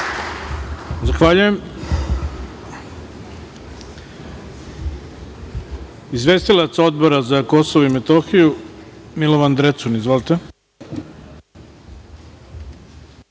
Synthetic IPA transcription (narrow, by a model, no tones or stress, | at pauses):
zaxʋaːʎuje̞m | izʋe̞st̪ilˠat̪so̞d̪bo̞ɾazako̞soʋoimet̪o̞xijumilˠo̞ʋand̪ɾe̞t̪sunizʋo̞lit̪e